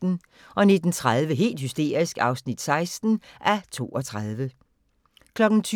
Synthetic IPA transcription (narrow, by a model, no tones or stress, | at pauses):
n̩ | ʔɒ̽ned̥n̩t͡sʰʁað̞ˠʋəɦe̝̰ːld̥hysd̥e̝̰ːɐ̰isɡ̥ɑ̈ʊsnid̥sɑ̈ɪsd̥n̩ʔæt͡sʰo̝̰ːɒt͡sʰʁað̞ˠʋə | kʰlɒ̽ɡ̥n̩t͡sʰ